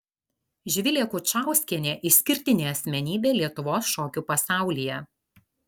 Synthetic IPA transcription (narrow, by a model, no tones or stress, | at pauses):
ʒʲʋʲɪlʲeːkʊt͡ʃɑˑʊsʲkʲiɛnʲeːʔɪsʲkʲɪɾʲt̪ʲɪnʲeːɐsʲmʲɛnʲiːbʲeːlʲiɛt̪ʊʋoːsʃoːkʲuːpɐsɑˑʊlʲijɛ